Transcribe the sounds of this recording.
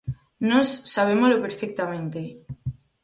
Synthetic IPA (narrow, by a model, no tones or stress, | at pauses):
nosːaβ̞emolopeɾfek̚t̪amẽnt̪e